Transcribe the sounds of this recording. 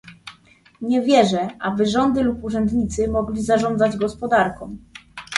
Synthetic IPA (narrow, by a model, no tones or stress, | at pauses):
ɲɛvʲjɛʐɛʔabɘʐɔnd̪ɘlupuʐɛnd̪ɲit̪sɘmɔɡlʲizaʐɔnd̪zad͡ʑɡɔspɔd̪aɾkɔ̃w̃